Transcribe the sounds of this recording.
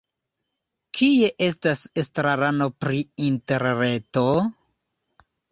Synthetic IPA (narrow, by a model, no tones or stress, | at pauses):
kʰie̞ʔe̞stasestɾaɾano̞pɾiinte̞ɾne̞to̞